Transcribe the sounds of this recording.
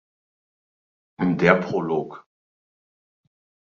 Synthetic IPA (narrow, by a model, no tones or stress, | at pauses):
ʔʊndeːɐpʁ̥oloːk